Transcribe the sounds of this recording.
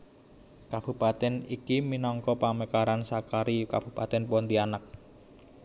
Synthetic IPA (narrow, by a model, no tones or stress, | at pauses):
kab̥ṳpat̪ɛnikiminɔŋkɔpaməkaɾansakaɾikab̥ṳpat̪ɛnpɔnt̪ianak̚